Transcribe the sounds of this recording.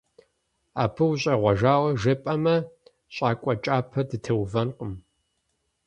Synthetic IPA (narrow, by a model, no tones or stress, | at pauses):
a̰ːpʰɨwɕʼɐʁʷɐʒaːwɐʒɐpʼɐmɐ | ɕʼaːkʷʼɔt͡ʃʼaːpʰɐdɨtʰɐwvɐnqʼəm